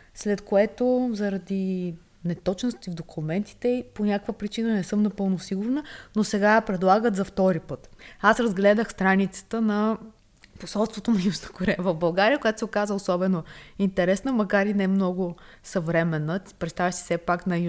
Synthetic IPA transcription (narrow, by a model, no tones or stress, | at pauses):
slɛt̪koɛt̪ozɐɾɐd̪i | nɛt̪ɔt͡ʃnost̪ivd̪okʰumɛnt̪i̥t̪ɛiponʲakəkvəpɾit͡ʃinənɛsɤmnɐpɤlˠnosiɡʊɾnənosɛɡapɾɛd̪lˠaɡət̪zɐft̪ɔɾipɤt̪asɾɐzɡlɛd̪əxst̪ɾanit̪sə̥t̪ənɐ | posɔlˠst̪vot̪onɐjuznə̥koɾɛvəvbɐlˠɡaɾiəkojat̪osɛokazəosɔbɛnoint̪ɛɾɛsnəmɐkaɾinɛmnɔɡʊsɐvɾɛmɛnəpɾɛt̪st̪avʲjəsi̥sɛpaknɐj